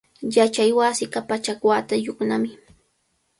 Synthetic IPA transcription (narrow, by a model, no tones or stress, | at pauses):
jat͡ʃajwasɪkapat͡ʃakwat̪ajʊknamɪ